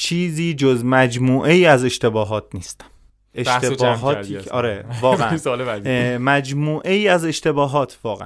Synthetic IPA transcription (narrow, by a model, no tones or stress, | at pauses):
t͡ʃʰiːziːd͡ʒozmæd͡ʒmuːʔejiːæze̞ʃt̪e̞bɒːɦɒːt̪̚ʰniːst̪æ̥m | etʰbɒːɦɒːt̪ʰiɒːɾevɒːɣeæsɒlemæzmæd͡ʒmuːʔejiːæze̞ʃt̪e̞bɒːɦɒːt̪ʰvɒːɣḛʔ